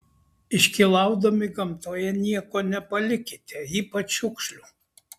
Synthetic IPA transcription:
ɪʃʲkʲilˠɑˑʊd̪omʲɪɡɐmt̪oːjɛnʲiɛkoːnʲɛpɐlʲɪkʲɪt̪ʲeiːpɐt͡ʃʊkʃʲlʲu

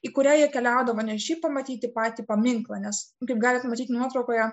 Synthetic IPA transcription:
iːkʊɾʲæːjiɛkʲɛlʲæˑʊd̪ɐʋoːnʲɛʃʲiːpɐmɐt̪ʲiːt̪ʲɪpɑːt̪ʲiːpɐmʲɪŋklˠɐnʲɛskɐɪp̚ɡɑːlʲɪt̪mɐt̪ʲiːt̪nuɔt̪ɾɐʊkoːjɛ

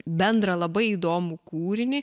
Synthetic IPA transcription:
bʲɛnd̪ɾɐlˠɐbɐɪiːd̪oːmukuːɾʲɪnʲɪ

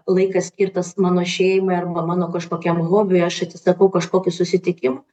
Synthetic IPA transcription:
lˠɐɪkɐssʲkʲiːɾt̪ɐsmɑːnoːʃʲɛːjɪmɐɐrbɐmɑːnoːkɐʃkoːkʲɛmɣoːbʲʊjɐʃɐt̪sʲɪsɐkɐʊkɐʃkoːkʲʊsʊsʲɪt̪ʲɪkʲɪmɐ

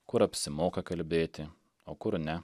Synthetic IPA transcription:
kʊɾɐpʲsʲɪmoːkɐkɐlʲbʲeːt̪ʲɪ | oːkʊɾnʲɛ

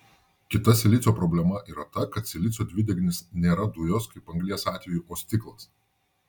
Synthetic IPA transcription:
kʲɪt̪ɐsʲɛlʲɪt̪sʲoːpɾɔbʲlʲɛmɐʔiːɾɐt̪ɐkɐt̪sʲɛlʲɪt̪sʲoːd̪ʲʋʲɪd̪ʲɛɡʲnʲɪsnʲeːɾɐd̪ʊjoːskɐɪpɐŋɡlʲiɛsɑːt̪ʲʋʲɛjuːʔoːsʲt̪ʲɪklˠɐs

